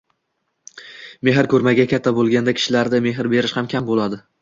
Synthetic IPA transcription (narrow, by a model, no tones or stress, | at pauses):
me̞ɦɪɾkʰɵɾmaɡʲakʲʰat̪ʰːabolˠɡʲand̪akʲʰɪ̥ʃɪlaɾd̪ame̞ɦɪɾbe̞ɾɪʃhamkʲʰambolˠad̪ɪ